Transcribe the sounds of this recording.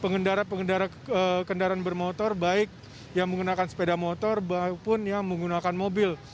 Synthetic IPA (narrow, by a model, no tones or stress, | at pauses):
pəŋɡəndaɾapəŋɡəndaɾa | əkəndaɾanbərmot̪ɔrbaɪk̚ | jaŋməŋɡunakansə̥pedamot̪ɔrbapʊnjaŋməŋɡunakanmobɪl